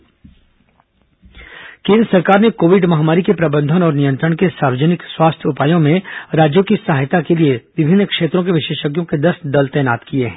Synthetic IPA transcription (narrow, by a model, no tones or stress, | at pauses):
kẽːnd̪ɾəsɐɾkaːɾnekoːʋɪɖmɐɦaːmaːɾikepɾɐbə̃nd̪ʱənɔːɾnijə̃nt̪ɾəɽ̃kesaːɾʋəd͡ʒənɪkswaːst̪ʰjʊpaːjõmẽɾaːd͡ʒjõkisɐɦajt̪akelieʋɪbʱɪnːkʃeːt̪ɾõk̬eʋɪʃeːʃəɡjõked̪ɐst̪d̪ɐlt̪ɛːjnaːt̪kieɦɛ̃ː